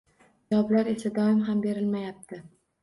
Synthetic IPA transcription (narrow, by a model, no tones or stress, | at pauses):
ɒblaɾe̞sad̪ɒɪmɦambe̞ɾɪlmajap̚t̪ʰɪ